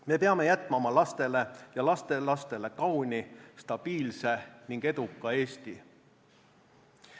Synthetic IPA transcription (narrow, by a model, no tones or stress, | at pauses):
me̞peɑme̞jæt̪ːˑmɑmɑlɑst̪e̞le̞jɑlɑst̪e̞lɑst̪e̞le̞kɑwnʲist̪ɑb̥iːlse̞niŋɡ̥e̞d̪̥ukːˑɑe̞ːst̪i